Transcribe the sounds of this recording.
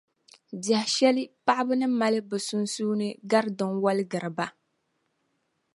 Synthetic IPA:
da˨hʃɛ˦lɨ˦pa˦ʔɪ˦bɨ˦nɨ˦ma˦lɨ˦bɨ˨su˦n˦suː˦nɨ˦ɡa˦ɾdɨ˨ŋwa˦lɨ˦ɡɨ˨ɾɨ˨ba˦

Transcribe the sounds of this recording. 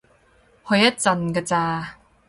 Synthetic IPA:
hɵ˧jɐ˥t̚t͡sɐ˧nka˧t͡saː˧

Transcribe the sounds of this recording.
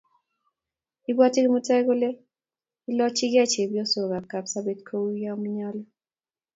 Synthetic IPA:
i˦ba˦tɪ˦ɡɪ˦mo˦tɛ˦ɡo˦le˦ | i˦lɔ˦t͡ʃɪ˦ɡɪ˦a˦˨t͡ʃe˨bjɔ˦so˨ɡa˨ka˨psa˦be˦tkʰo˦wu˦ja˦m˦ɲa˦lɔ˦

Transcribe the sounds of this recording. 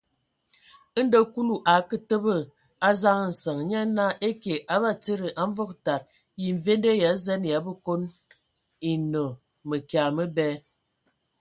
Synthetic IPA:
ə˦n̩˦də˦ku˦lu˨ʔa˨˦kə˦tə˦bə˦ | a˦za˦ŋə˦˨n̩˨sə˨ŋ˨ɲa˦na˦ʔe˦ke˨ʔa˨˦ba˦t͡se˦ɾə˨ʔa˦ɱ˦vo˦k̚ta˨ɾ̚ | ji˨ɱ˨ve˦nde˦ja˨˦zɛ˦n˨ja˨˦bə˦ko˦n | i˨nə˨ | mə˨kja˨mə˦bɛ˦

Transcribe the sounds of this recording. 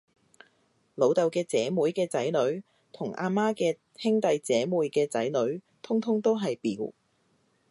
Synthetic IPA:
lo˨˧wt̪ɐ˨wkɛː˧t͡sɛː˨˥muː˨˥jkɛː˧t͡sɐ˨˥jlɵ˨˥ɥ | t̪ʰʊ˨˩ŋʔa̰ː˧maː˥kɛː˧ | hɪ˥ŋt̪ɐ˨˧jt͡sɛː˨˥muː˨˧jkɛː˧t͡sɐ̰˨˥jlɵ˨˥ɥ | t̪ʰʊ˥ŋt̪ʰʊ˥ŋt̪o˥wɦɐ˨jpiː˨˥w

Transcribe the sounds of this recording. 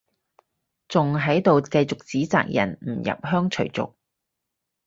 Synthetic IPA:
t͡sʊ˨ŋɦɐ˨˥jt̪o˨wkɐ˧jt͡sʊ˨k̚t͡siː˨˥t͡sa̰ː˨k̚jɐ̰˨˩nm̩˨˩jɐ̰˨p̚hœː˥ŋt͡ʃʰɵ˨˩t͡sʊ̰˨k̚

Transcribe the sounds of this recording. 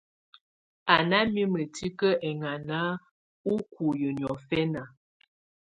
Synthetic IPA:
a˨na˦mi˦mə˨ti˦kə˦ʔɛ˨ŋa˨na˦ | u˦ku˨jə˨njɔ˨fɛ˦na˨

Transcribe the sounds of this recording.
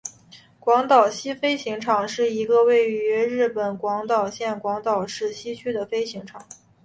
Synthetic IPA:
kwɑ˧˥ŋt̪ɑ˨˩ʊɕi˥fe˥ɪɕi˧˥ŋʈ͡ʂʰɑ˨˩ŋʂɻ̩˥˩i˧˥ɡə˧we˥˩ɪy˧˥ɻɻ̩˥˩pə˨˩nkwɑ˧˥ŋt̪ɑ˨˩ʊɕjɛ˥˩nkwɑ˧˥ŋt̪ɑ˨˩ʊʂɻ̩˥˩ɕi˥t͡ɕʰy˥d̪ə˨fe˥ɪɕi˧˥ŋʈ͡ʂʰɑ˨˩˦

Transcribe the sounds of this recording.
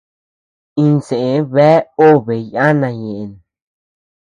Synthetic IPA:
ĩ˧nsẽ˨e˧˦βɛ˦o˦˨βe˨ja˦nã˧˨ɲẽ˨ʔe˨n

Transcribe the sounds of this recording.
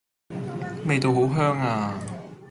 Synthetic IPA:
me˨jt̪o˨˧wɦo˨˥wɦœː˥ŋaː˧

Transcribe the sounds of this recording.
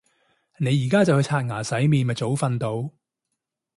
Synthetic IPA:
ne˨˧jːiː˨˩kaː˥t͡sɐ˨whɵ˧t͡sʰaː˧t̚ŋaː˨˩sɐ˨˥jmiː˨˧nmɐ˨t͡so˨˥wfɐ˧nt̪o˨˧w

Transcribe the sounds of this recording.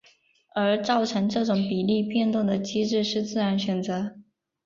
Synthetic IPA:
ə˞˧˥t͡sɑ˥˩ʊʈ͡ʂʰɤ˧˥ŋʈ͡ʂɤ˥˩ʈ͡ʂʊ˨˥ŋpi˨˩li˥˧pjɛ˥˧nt̪ʊ˥˩ŋd̪ə˩t͡ɕi˥ʈ͡ʂɻ̩˥˧ʂɻ̩˥˧t͡sɹ̩˥˩ɻa˧˥nɕɥɛ˨˩nt͡sɤ˧˥

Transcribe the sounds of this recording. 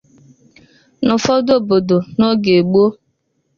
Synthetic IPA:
nʊ˨fɔ˦do˦˨bo˨do˨no˦ɡe˨ɡ͡bo˦

